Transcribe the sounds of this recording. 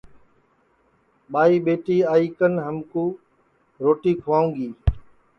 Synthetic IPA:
ɓaːiːɓeːʈiːaːiːkənɦəmkuː | ɾoːʈiːkʰʊʋaːũːŋɡiː

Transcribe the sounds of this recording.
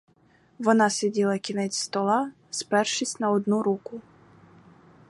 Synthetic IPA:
ʋɔnɑsʲɛdʲilˠɐkʲinɛt͡sʲst̪ɔlˠɑ | spɛrʃisʲtʲnɐɔd̪nuɾukʊ

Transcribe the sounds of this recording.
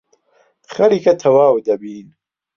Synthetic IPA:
χɐɾikʰɐt̪ʰɐwaːwd̪ɐbiːn

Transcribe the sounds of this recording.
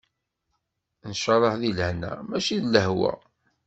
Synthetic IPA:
nʃəɾˤəħðilhnæ̰mæʃiðləhwæ̰

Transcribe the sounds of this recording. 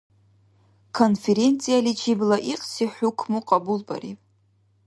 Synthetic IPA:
kʰo̞nfeɾent͡sʰʼijalit͡ʃʰiblaʔiqʼsiħʷukʷʰmuqʼabulba̰rḭpʼ

